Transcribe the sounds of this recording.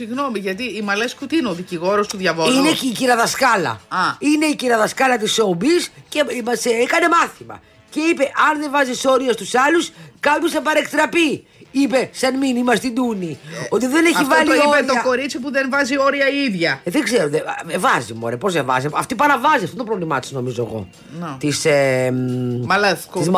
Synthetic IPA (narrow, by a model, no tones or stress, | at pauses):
siɣno̞miʝɐt̪iːmɐleskut̪ineoðiciɣo̞ɾost̪uðʝɐvoineːciɾɐðɐskɐlɐ̰ɐine̞iciɾɐðɐskɐlɐt̪iso̞bisceimɐseekɐne̞mɐθimɐ̰ | ce̞ipe̞ʔɐnðe̞vɐziso̞ɾiɐst̪usɐluskɐpjosθɐpɐɾekt̪ɾɐpi | ipe̞sɐnminimɐst̪id̪unio̞t̪iðe̞ne̞çivlioioet̪oɐko̞ɾit͡sipuðenvɐzio̞ɾiɐiðʝɐðeɡzeɾoðeevɐzimo̰ɾepozevɐ̰ziɐ̰ft̪opɐɾɐvɐziɐft̪ot̪opɾo̞vlimɐt̪i̥sno̞mizo̞ḛɣo̞̰ | t̪isemliz